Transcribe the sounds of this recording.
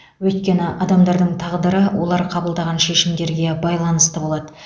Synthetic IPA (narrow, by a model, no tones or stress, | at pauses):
wɵjt̪̚kʲe̞nɪʔɑd̪ɑmd̪ɑɾd̪əɴt̪ʰɑʁd̪əɾəwʔo̞̰lˠɑɾqʰɑbəlˠd̪ɑʁɑnʃe̞ʃɪmd̪e̞ɾɡʲe̞bɑjlˠɑnəst̪əbo̞lˠɑd̪ə